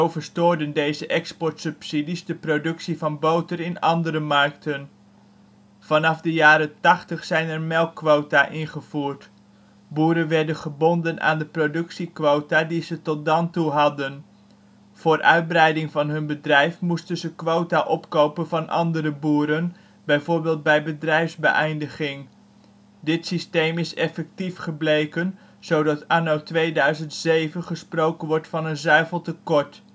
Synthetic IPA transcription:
zowvəɹstoːɹdəndejzəʔɛkspɔɹtsɵpsidizdəprodɵksivɑnbowtərɪnɑ̰ndəɾəmɑrktən | v̥ɑnɑfdəjaːɾətɑχtəχsɛjnɛrmɛlˠkːʋowtaʔɪnχəv̥uːrt | buːɾənʋɛɹdənχəbɔndənʔa̰ːndəprodɵksikʋowtadizətɔt̚dɑntuɦɑdən | v̥ʊːrʔœ̰ɥd̚brɛjdɪŋvɑnɦɵnbədrɛjfmustənzəkʋowtaʔɔpkowpənvɑnʔɑ̰ndəɾəbuːɾən | bɛjvoːɹbɪːlˠt̚bɛjbədrɛjfzbə̰ʔɛjndəχɪŋ | dɪtsistejmɪsɛfɛk̚tifχəblejkən | z̥owdɑtaːnowtʋejdœɥzəntsejvənχəsprowkənʋɔɹtfɑnənzœɥvəlˠtəkɔɹt

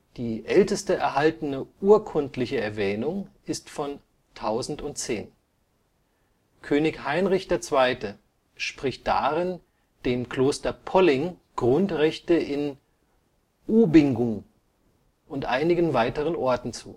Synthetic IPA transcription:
d̥iːʔɛltəstəʔɛɐɦaltənəʔuːɐkʰʊntlɪçəɛɐvɛːnʊŋʔɪstfɔn | tʰaʊzn̩tʊnt̚t͡seːn | kʰøːnɪçhaɪnʁɪçd̥eːɐt͡sv̥aɪtə | ʃpʁ̥ɪçt̚d̥a̰ːʁɪn | d̥eːmkl̥oːstɐpʰɔlɪŋ | ɡ̥ʁʊntʁɛçtəʔɪn | ʔuːbɪŋɡʊŋ | ʔʊntʔaɪnɪɡən̩vaɪtəʁ̞ənʔɔɐtn̩t͡sṵː

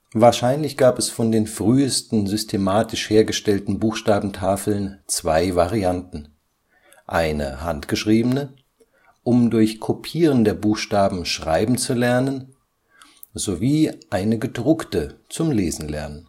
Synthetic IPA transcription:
vaːɐʃaɪnlɪçɡ̥aːpɛsfɔndeːnfʁ̥yːəstn̩zʏstʰemaːtɪʃheːɐɡəʃtɛltn̩buːxʃtaːbm̩tʰaːfl̩nt͡sv̥aɪvaʁiantn̩ | ʔaɪnə̰ɦa̰ntɡ̥əʃʁ̥iːbənə | ʔʊmdʊɐçkʰopʰiːʁ̞əndeːɐbuːxʃtaːbm̩ʃʁ̥aɪbm̩t͡sulɛɐnən | zoviːʔaɪnəɡədʁʊktət͡sʊmleːzn̩lɛ̰ɐnən

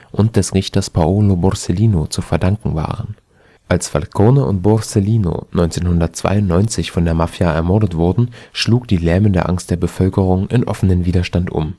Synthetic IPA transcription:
ʔʊnt̚d̥ɛsʁɪçtɐspʰaoːlobɔʁseliːnot͡sufɛɐdaŋkŋ̩va̰ːʁən | ʔalsfa̰lkʰonəʊ̰ntb̥ɔseliːno̰nɔʏnt͡seːnhɦʊndɐt̚t͡sv̥a̰ɪʊntnɔʏnt͡sɪçfɔndeːɐmafjaʔɛɐmɔɐdətv̥ʊɐdn̩ʃluːkd̥iːlɛːməndeːɐʔaŋst̚d̥eːɐbəfœlkəʁ̞ʊŋʔɪ̰nʔɔ̰fənənviːdɐʃtantʔʊ̰m

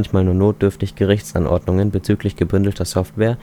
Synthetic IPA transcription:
nçmaːlnuːɐnoːtd̥ʏɐftɪçɡ̥əʁɪçt͡sʔa̰nʔɔ̰ɐdnʊŋənbət͡syːklɪçɡ̥əbʏndl̩tʰɐsɔftv̥ɛːɐ

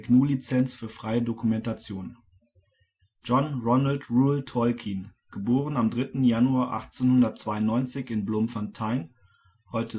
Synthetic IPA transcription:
knuːlit͡sɛnt͡sfyːɐfʁ̥aɪədokumɛntat͡sjoːn | d͡ʒɔnʁɔnaltʁuːltʰɔlkʰinɡ̥əboːʁənamdʁɪtn̩januaːɐʔa̰χt͡senhʊndɐtt͡sv̥aɪʊnːɔʏnt͡sɪçɪnblʊmfantʰaɪn | hɔʏtʰə

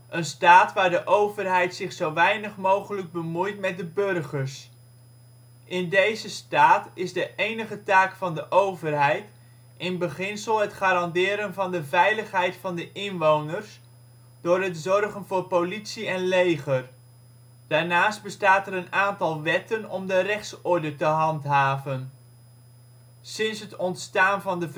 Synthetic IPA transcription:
ʔənstaːtʋaːɹdəʔowvərɦɛjtsɪχsowʋɛjnəχmowχələɡ̚bəmujtmɛt̚dəbørχəɹs | ʔɪndejzəstaːtɪzdəʔejnəχətaːkfɑndəʔowvərɦɛjt | ʔɪnbəχɪnsəlˠɦətχaːɾɑndɪːɾənvɑndəvɛjləχɦɛjtfɑndəʔɪnʋownərs | d̥ʊːrɦətzɔrχənvʊːɹpowlitsiɛnlejχər | d̥aːɹnaːsd̚bəstaːtəɾənaːntɑlˠʋɛtənɔmdərɛχtsɔɹdətəɦɑntɦaːvən | sɪnsɦətɔntstaːnvɑndəv

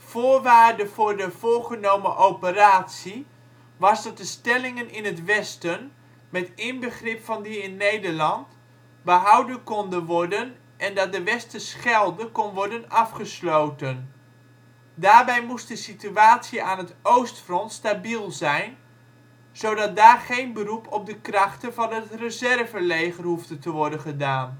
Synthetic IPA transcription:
v̥oːɹʋaːɹdəv̥ʊːɹdəv̥ʊːɹχənowməʔowpəraːtsi | ʋɑsdɑt̚dəstɛlɪŋənɪnətʋɛstən | mɛtɪnbəχrɪpfɑndiɪnːejdəɹlɑnt | bəɦɑwdənkɔndənʋɔɹdən | ʔɛndɑt̚dəʋɛstəsχɛlˠdəkɔnʋɔɹdənɑfχəslowtən | daːɹbɛjmust̚dəsityaːtsjəaːnɦətowstfrɔntstabilˠzɛjn | z̥owdɑt̚daːrχejnbərupʰɔp̚dəkrɑχtənvɑnətrəzɛrvəlejɣərhuftətəʋɔɹdənχədaːn

